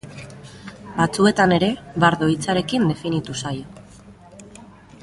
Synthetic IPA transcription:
bat͡sue̞t̪ane̞ɾe̞βaɾðo̞it͡saɾe̞kind̪e̞finit̪usajo̞

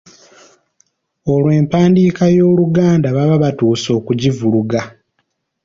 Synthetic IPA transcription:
o̞lwe̞ːmpaːndiːkajo̞ːluɡaːndaβaβaβatuːso̞ːkuɟivuluɡa

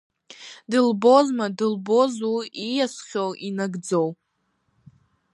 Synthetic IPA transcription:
dɨlbo̞zmadɨlbo̞zuijasʷχʲowʔinaɡd͡zo̞w

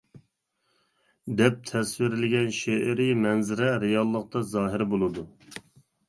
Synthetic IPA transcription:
d̪ɛp̚t̪ʰɛswɪɾɪlɪɡʲɛnʃeʔɪɾɪmɛnzɪɾɛɾɪjɑlˠːəq̚t̪ɑzɑːɦɪɾbolˠɨd̪u

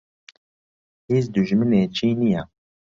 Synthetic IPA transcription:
heːzd̪uʒmɨneːt͡ʃʰiːnijɛ

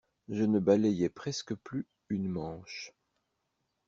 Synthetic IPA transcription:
ʒənəbalɛjɛpχɛskəply | ynmɑ̃ːʃ

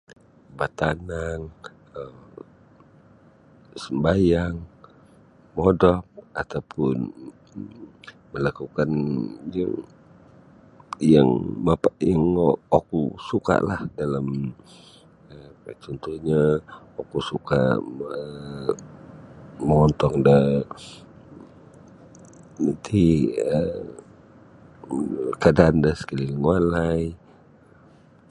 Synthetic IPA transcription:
bat̪anaŋ | əm | səmbajaŋ | modɔp̚at̪awpʰʊn | məlakukanjaŋ | jaŋmapaʔjaŋokusuka̰ʔlahdalam | əət͡ʃɔnt̪uhɲa | okusuka̰ə | məŋɔnt̪ɔŋdə | nat̪ʰiə | kadandəhsə̥kaliləŋwalaj

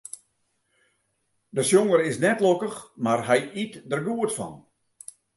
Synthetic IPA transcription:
dəsjoŋəɾɪsnɛtlokəxmarɦɛjitdərɡuətfɔ̰n

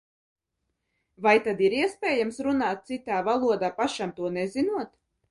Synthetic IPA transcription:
vajt̪ad̪iɾiɛspʲɛːjamsɾunaːt̪̚t̪sit̪aːvalˠuɔd̪aːpaʃamt̪uɔnɛzinuɔt̪

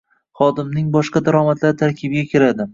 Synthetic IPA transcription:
χɒd̪ɪmnɪŋbɒʃqɑd̪aɾɒmat̪ʰlaɾt̪ʰaɾkʲʰɪbɪɡʲakʲʰɪɾad̪ɪ

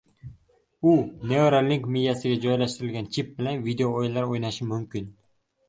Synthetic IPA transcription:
ʊneoɾalːɪŋkmijjasɪɡʲad͡ʒɒjlaʃt̪ɪɾɪlɡʲant͡ʃʰɪp̚bɪlanvid̪eooɪlːaɾojnaʃɪmʊmkʲʰɪn

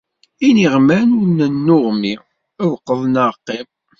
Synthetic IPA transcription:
iniʁmænʊɾnənːʊʁmi | æwqːəðˤnəɾqːim

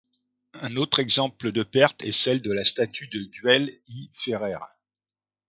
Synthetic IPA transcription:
ɛ̃not̪χɛɡzɑ̃pləd̪əpɛʁt̪ɛsɛld̪əlast̪at̪ʰyd̪əɡɥɛlifeʁɛʁ

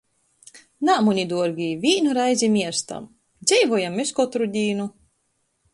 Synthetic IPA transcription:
naːmunʲid̪uɔɾɡʲiːvʲiːnuɾajzʲimʲiɛɾst̪a̰m | d̪zʲɛjvɔjamːeskɔt̪ɾud̪ʲiːnu

